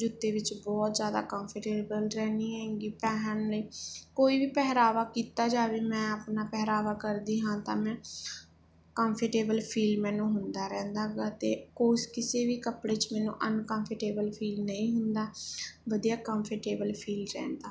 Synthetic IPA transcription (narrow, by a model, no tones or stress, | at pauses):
d͡ʒʊt̪ːeːʋɪt͡ʃbɔːt̪zjaːd̪a̰ːkəːmpʰəʈeːbəlɾɛ̃ːniːɦãŋɡiːpɛːɦənləiːkoːiːʋiːpɛɦɾaːʋaːkiːt̪aːd͡ʒaːʋiːmɛ̃ːaːpnaːpɛːɾaːʋaːkəɾd̪iːɦãːt̪ãːmɛ̃ː | kəmpʰəʈeːbəlpʰiːlmɛːnũːɦʊnd̪aːɾɛ̃ːnd̪aːɡaːt̪ḛːkoːskɪseːʋiːkəpɽeːt͡ʃmɛːnṵ̃ːʔənkəmpʰəʈeːbəlpʰiːlnəĩːɦʊnd̪aːʋəd̪ijaːkəmpʰəʈeːbəlpʰiːlɾɛ̰̃ːnd̪aː